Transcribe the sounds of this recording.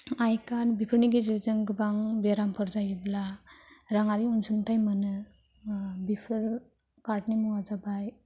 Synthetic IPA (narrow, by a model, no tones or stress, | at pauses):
ajkaɾbipʰɯɾniɡizɯzɯŋɡɯbaŋbeɾampʰɯɾzajɯblaɾaŋaɾiunsuntajmɯnɯ | bipʰɯɾ | kaɾʈnimuazabaj